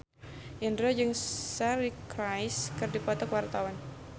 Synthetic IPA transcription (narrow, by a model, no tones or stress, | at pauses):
ʔindɾod͡ʒɨŋsɛɾikɾajskɨrdipɔt̪ɔkwart̪awan